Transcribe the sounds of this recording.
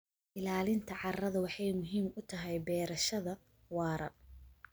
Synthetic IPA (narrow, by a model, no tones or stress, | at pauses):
ʔɪlaːlɪnt̪ʰɐʕɑrɐðɐwɑħɑjmʊɦiːmʊt̪ʰɐɦɛjbɛːɾɐʃɐðɐ | wɑːɾɐ̰